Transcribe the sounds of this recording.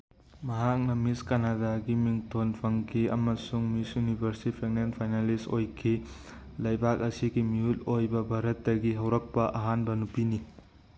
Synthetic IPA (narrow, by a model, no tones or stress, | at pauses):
mɐɦak̚nɐmiskanadaɡimiŋtʰonpʰɐŋkʰiɐmɐsuŋmisjunibʱɐɾsipʰeŋlenpʰajnalisojkʰi | lɐjbak̚ɐsiɡimiɦulojbɐbʱaɾɐtːɐɡiɦɐwɾɐk̚pɐʔɐɦanbɐnupini